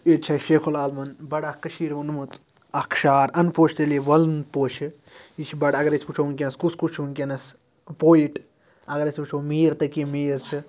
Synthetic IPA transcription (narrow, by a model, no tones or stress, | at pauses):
et͡ʃʰɐʃeːkʰolaːlmɐnbɐɽakɐʃiːɾʋɐnmɨt̪ʰ | ɐkʰʃaːɾɐnpoːt͡ʃʰt̪eliʋɐlnpoːt͡ʃʰi | it͡ʃʰibɐɽɐɡɐɾɐt͡sʰput͡ʃʰounk̬ʲenɐskuskut͡ʃʰunkʲenɐs | poːiʈ | ɐɡɐɾɐsʰʲput͡ʃʰoːmiːɾt̪ɐkimiːɾt͡ʃʰɨ